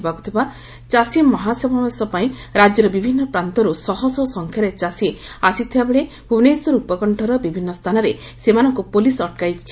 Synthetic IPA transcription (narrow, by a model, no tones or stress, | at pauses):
baku̥t̪ʰiba | t͡ʃasimmːɔɦasɔbʱɔmesɔpaĩɾad͡ʒjɔɾɔbibʱinːɔpɾant̪ɔɾusɔɦɔsɔsɔŋkʰjaɾet͡ʃasiasit̪ʰibabeɭe | punesuɾupɔkɔɳʈʰɔɾɔbibʱinːɔst̪ʰanɔɾesemanɔŋkupolisɔʈ̚kajt͡ʃʰi̥t͡ʃʰi̥